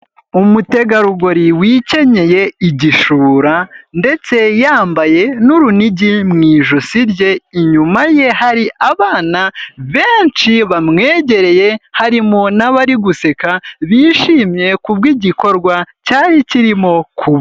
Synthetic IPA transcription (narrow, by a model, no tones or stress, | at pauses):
umute̞ɡaɾuɡoɾiwiːce̞ɲe̞je̞iɟiʃuːɾande̞t͡se̞jaːmbaje̞nuɾuniɟimŋiːʒusiɾɟe̞iɲumaje̞haɾiaβaːnaβe̞ːnt͡ʃiβamŋe̞ːɟe̞ɾe̞je̞haɾimonaβaɾiɡuse̞kaβiːʃiːmje̞kuβ̚ɡiɟiko̞ɾɡwacaːɲiciɾimo̞kʰuβ